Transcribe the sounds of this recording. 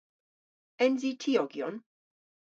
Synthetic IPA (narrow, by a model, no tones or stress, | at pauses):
ɛnzitʰiɔɡjɔn